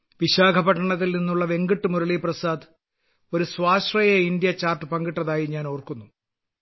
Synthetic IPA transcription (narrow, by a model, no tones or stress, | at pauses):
ʋiɕaːɡʱɐbɐʈːɐɳɐt̪̬ːilninːuɭːɐʋe̞ŋɡiʈːɨmuɾɐɭiprɐsaːd̪ | o̞ɾuswaːɕrɐjɐind̪jɐt͡ɕaːrʈɨpɐŋɡiʈːɐðaːjiɲaːno̞ːrkunːu